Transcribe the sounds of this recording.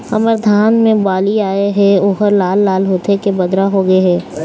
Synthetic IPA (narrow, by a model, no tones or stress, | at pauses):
ɐ̰məɾd̪ʱaːnmẽbaːliaːeɦɛoːɦəɾlaːlːaːlɦoːt̪ekebɐd̪ɾaɦoɡɐeɦɛː